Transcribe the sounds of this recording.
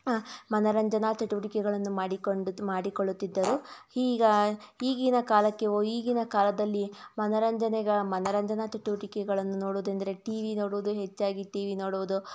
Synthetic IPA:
mɐnɐɾɐɲd͡ʒɐnɐt͡ʃɐʈuʋɐʈikɛɡɐɭɐnːumaːɽikoɳɖmaːɽikoɭːut̪ːid̪ːɐɾuhiːɡɐiːɡinɐkaːlɐkːeʋoːiːɡinɐkaːlɐd̪ɐlːimɐnɐɾɐɲd͡ʒɐnɛɡɐmɐnɐɾɐɲd͡ʒɐnɐt͡ʃɐʈuʋɐʈikɛɡɐɭɐnːuno̞ːɽuʋud̪end̪ɐɾe̞ʈiːʋino̞ːɽuʋud̪uɦet͡ʃːaːɡiʈiːʋino̞ːɽuʋud̪u

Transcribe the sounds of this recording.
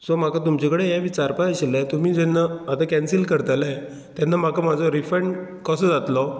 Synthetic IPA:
sɔmakat̪̬umt͡ɕekəɽeɦjaʋit͡ɕaɾpaəɕilat̪umiːd͡ʑɛnːaːt̪akɛnsilkəɾt̪ala | t̪janːamakamad͡zɔɾifɾeɳɖkəsɔd͡zat̪lɔ

